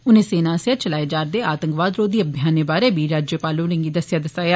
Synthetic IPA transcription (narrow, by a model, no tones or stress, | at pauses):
ʊnẽːseːnãːsaːt͡ʃəlaːed͡ʒaːɾd̪eːaːt̪ə̃ŋkʋaːd̪ɾoːd̪iːəbʱjaːneːbaːɾeːbiːɾaːd͡ʒjəpaːlõːlə̃ŋɡiːd̪əsjaːd̪əsaːjaː